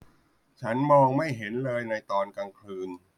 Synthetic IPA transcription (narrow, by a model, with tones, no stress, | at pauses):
t͡ɕʰa˦˥nmɔː˧ŋma˥˩jɦe˩˦nlɤː˧jna˧jt̪ɔː˧nka˧ŋkʰlɯː˧n